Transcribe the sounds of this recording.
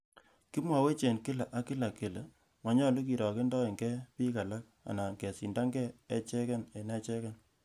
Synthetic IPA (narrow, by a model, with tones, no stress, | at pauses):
ki˦mwa˨we˦t͡ʃe˨nkɪ˦la˨ʔa˦kɪ˦la˨ke˨le˨ | mwa˨ɲɔ˦lu˦ki˨ɾɔ˨ke˦ndɔ˦e˨ŋɡɛ˦pi˦ka˨la˦k̚ | a̰˨na˨ŋɡe˨si˨nda˦ŋɡɛ˦e˦t͡ʃɛ˦ka˦ne˨nɛ˦t͡ʃɛ˦ka˦n